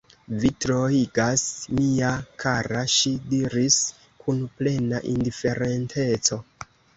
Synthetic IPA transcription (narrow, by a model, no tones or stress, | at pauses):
vitɾoiɡasmiakʰaɾaʃidiɾis | kʰunple̞naʔindife̞ɾe̞ntʰe̞t͡so̞